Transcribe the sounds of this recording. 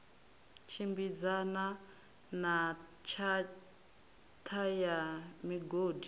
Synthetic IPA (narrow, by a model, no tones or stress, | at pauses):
t͡ʃʰimbid͡zana | nat͡ʃʰa | tʰajamiɡoːdi